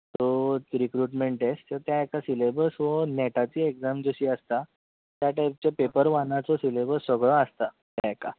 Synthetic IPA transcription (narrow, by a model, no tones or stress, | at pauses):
t̪oɾikɾuʈmeɳʈest̪ət̪jaekasilebəɾsʋənɛʈat͡ɕiːeɡd͡zamd͡zəɕiːəst̪a | t̪jaʈajp̚t͡ɕepepəɾʋanat͡sɔsilebəɾsʋəɡɭɔəst̪a | t̪jaeka